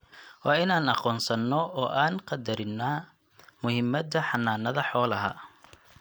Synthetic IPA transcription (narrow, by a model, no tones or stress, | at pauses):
wɑːɪnaːnɑqɔːnsɐnːɔɔːʔaːnqɑd̪ɐɾɪnːaː | mʊhɪmːɐd̪ɐħɑnːaːnɐðɐħɔːlɐɦɐ̰